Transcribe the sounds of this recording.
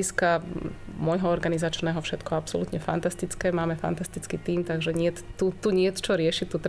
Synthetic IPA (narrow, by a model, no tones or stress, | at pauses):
iskamʊɔjɦɔɔɾɡanizat͡ʃnɛːɦɔfʃɛt̪kɔapsɔlut̪ɲɛfa̰nt̪ast̪it͡skɛːmaːmɛfa̰nt̪ast̪it͡skit̪iːmt̪aɡʒɛɲɪɛt̪ut̪uɲɪɛt̪t͡ʃɔɾɪɛʃict̪ːut̪ɾ